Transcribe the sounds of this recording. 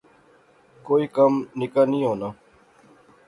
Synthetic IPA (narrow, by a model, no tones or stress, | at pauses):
koːikəmnɪkanĩːoːnaː